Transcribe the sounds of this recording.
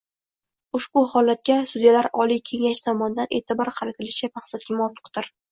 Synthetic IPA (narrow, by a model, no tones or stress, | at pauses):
ʊʃbʊhɒlat̪̚kʲasud̪ijalaɾɒlˠijkʲʰe̞ŋaʃt̪ʰɒmɒnɪd̪anʔe̞̰ːt̪ʰɪbɒɾqʰɑɾɪt̪ʰɪlɪʃɪmaχsat̪̚ɡʲamʊɒfːɨ̥qd̪ɪɾ